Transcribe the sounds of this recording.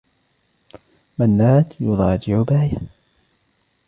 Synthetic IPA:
manːaːt̪jʊðˤɑːd͡ʒɪʕʊbaːja

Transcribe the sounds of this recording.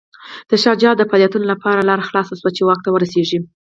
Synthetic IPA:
d̪̥əʃɑd͡ʒɑd̪əpɑljɑt̪unolapɑɾalɑɾaxlɑsaswat͡ʃewɑk̚t̪awəɾaseʐi

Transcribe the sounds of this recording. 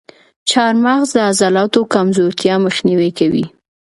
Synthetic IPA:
t͡ʃɑɾmaɣzd̪əazɑlɑt̪okamzoɾt̪jɑməxniwekawḭ

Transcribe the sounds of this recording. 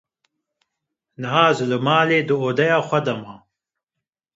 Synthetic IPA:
nɨɦaːzɨlɨmaːleːd̪ɨoːd̪ɛjaːxʷɐd̪ɐma

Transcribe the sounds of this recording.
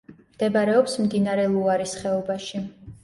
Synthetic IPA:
md̪̥ɛbaɾɛɔpsmd̪inaɾɛlˠuaɾisχɛɔbaʃi

